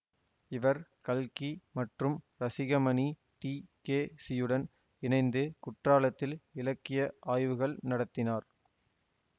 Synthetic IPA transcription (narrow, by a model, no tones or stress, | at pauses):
ɪʋɐɾkɐlkimɐʈrɯmɾɐsɪɣɐmɐni | ʈiːkeːsɪjːɯɽɐn | ɪnɐɪnd̪ɯkʊʈraːlɐt̪ːɪlɪlɐkːɪjɐʔaːjʋɯɣɐɭnɐɽɐt̪ːɪnaːɾ